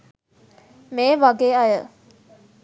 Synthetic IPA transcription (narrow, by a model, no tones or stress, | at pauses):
meːʋaɡeːajə